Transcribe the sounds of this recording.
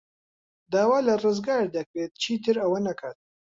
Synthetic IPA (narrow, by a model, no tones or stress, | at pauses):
d̪aːwaːlɐrɨzɡaːɾd̪ɐkɾeːt̪̚t͡ʃʰiːt̪ʰɨɾɐwɐnɐkʰaːt̪̚